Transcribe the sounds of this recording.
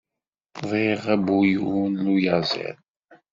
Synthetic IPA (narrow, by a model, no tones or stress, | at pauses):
ðˤiʁæbujunlujæzə̰l